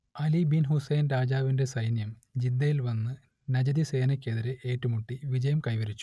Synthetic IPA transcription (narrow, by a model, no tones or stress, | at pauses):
ɐlibinɦusɐjnɾaːd͡ʑaːʋinde̞sɐjnjɐmd͡ʑid̪ːɐjilʋɐnːɨ | nɐd͡ʑɐðise̞ːnɐkʲːeðiɾeʔeːʈːumuʈːiʋid͡ʑɐjɐmkɐjʋɐɾit͡ɕːu̥